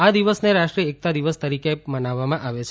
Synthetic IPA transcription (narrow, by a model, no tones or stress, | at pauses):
ad̪iʋəsneɾaʃʈɾiəek̚t̪ad̪iʋəst̪əɾikemənaʋːamãʔaʋet͡ʃʰ